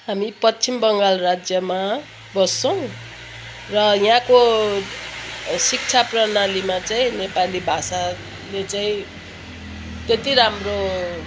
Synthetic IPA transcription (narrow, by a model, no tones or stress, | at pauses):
ɦamipʌt͡sʰimbʌŋɡalrad͡zjʌma | bʌst͡sʌw̃ | rʌjɦãko | sik̚t͡sʰaprʌnalimat͡saĩnepalibʱasa | let͡saĩ | t̪et̪iɾamro